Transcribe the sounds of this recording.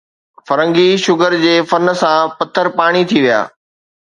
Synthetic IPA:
fɐɾə̃ŋɡiʃʊɡəɾd͡ʑeːfɐnsãpɐt̪ʰːəɾpaːɽ̃it̪ʰiʋija̰ː

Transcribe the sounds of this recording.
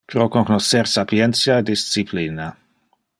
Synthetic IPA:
pɾokoknoseɾsapjɛnt̪sjaed̪ist̪sipliːna

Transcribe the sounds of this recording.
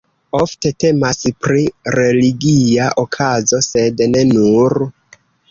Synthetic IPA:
o̞fte̞te̞maspɾiɾe̞liɡiaʔokʰazo̞se̞dne̞nuɾ

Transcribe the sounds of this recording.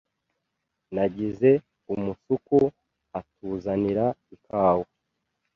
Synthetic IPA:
naɟize̞ | umusuku | atuːzaniɾaikʰaːwo

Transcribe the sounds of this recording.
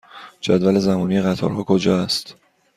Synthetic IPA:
d͡ʒæd̪vælezæmɒːnijeɣæt̪ʰɒ̰ːɾɦɒːkʰod͡ʒɒːæst̪

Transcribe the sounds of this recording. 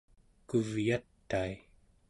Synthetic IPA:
kuvjat̪ːai

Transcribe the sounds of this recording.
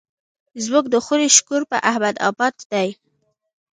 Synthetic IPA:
zmʊk̚d̪əxuɾeʃkuɾpə̰ʔahmad̪ɑ̰bɑd̪d̪aj

